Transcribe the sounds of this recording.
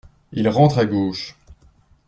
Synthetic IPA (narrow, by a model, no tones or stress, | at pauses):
ilʁɑ̃t̪χaɡoːʃ